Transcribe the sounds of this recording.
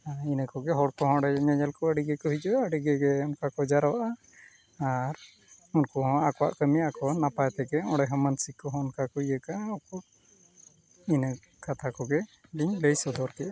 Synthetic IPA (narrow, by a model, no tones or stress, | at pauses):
ainəkɔɡɛɦɔɽkɔɦɔ̃ɽɛɲɔɲɛlkɔəɽiɡɛkɔɦid͡ʒɔəɖiɡɛɡɛunkakɔd͡ʒaɾawaʔaː | ɾ | unkɔɦɔ̃akɔwa̰ʔkəmijakɔnapajɛt̪ɛɡɛɔ̃ɽɛɦɔ̃mənsikːɔɦɔunkakɔijəkaʔɔkɔ | inə | kat̪ʰakɔɡɛɖiɲləjsɔd̪ɔɾkɛ